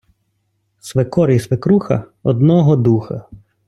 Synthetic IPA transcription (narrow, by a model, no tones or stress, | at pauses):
sʋekɔɾisʋekɾuxɐ̰ɔd̪nɔɦɔd̪uxɐ̰